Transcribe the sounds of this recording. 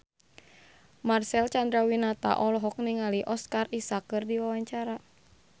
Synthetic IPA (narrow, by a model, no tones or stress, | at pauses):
marsɛlt͡ʃand̪ɾawinat̪a̰ʔɔlɔɦɔk̚niŋaliʔɔskarisakːɨrdiwawaɲt͡ʃaɾa